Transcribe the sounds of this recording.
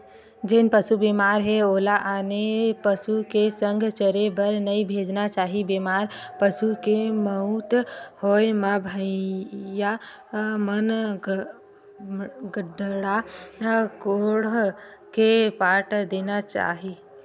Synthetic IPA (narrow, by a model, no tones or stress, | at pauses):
d͡ʒɪnpəsubiːmaːɾɦɛoːlaʔaːnepəsukesə̃ŋɡʱt͡ʃəɾebəɾnɐĩbʱeːd͡ʒnat͡ʃaːɦibiːmaːɾpəsukeməɦut̪hoːemabʱə | ja | mən | ɡəɖɽa | koːɽ | kepaːʈd̪eːnat͡ʃa̰ːɦiː